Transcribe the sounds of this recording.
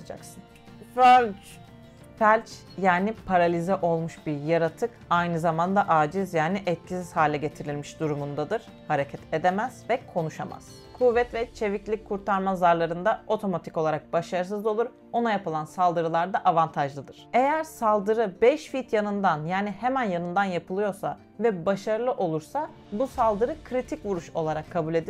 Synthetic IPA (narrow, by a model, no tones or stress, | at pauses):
ad͡ʒa̰ksɯn | følʲd͡ʒ | fælʲt͡ʃ | jaːnipʰaɾalʲizɛʔo̞lˠmuʃbiɾjaɾat̪ʰɯkajnɯzamand̪aʔaːd͡ʒizjaːniʔɛt̪̚cʰisishaːlʲɛɟe̞t̪ʰiɾilʲmiʃd̪uɾumund̪ad̪ɯɾ̥ | haɾecʰɛt̪ʰe̞d̪ɛmæz̥vɛkʰo̞nuʃa̰ma̰z̥ | kʰuvɛt̪vɛt͡ʃʰe̞viclʲic̚ʲkʰːuɾt̪ʰaɾmazaɾlˠaɾɯnd̪ao̞t̪ʰo̞mat̪ʰi̥co̞lˠaɾak̚baʃaɾɯsɯzˠo̞lˠuɾ | o̞najapɯlˠansalˠd̪ɯɾɯlˠaɾd̪aʔavant̪ʰaʒlˠɯd̪ɯɾ̥e̞jæɾsalˠd̪ɯɾɯbɛʃfit̪ʰjanɯnd̪anjaːnihemænjanɯnd̪anjapʰɯlˠɯjo̞ɾsa̰ | vɛbaʃaɾɯlˠɯʔo̞lˠuɾsa | busalˠd̪ɯɾɯkʰɾit̪ʰicvuɾuʃo̞lˠaɾakʰːabulʲe̞d̪i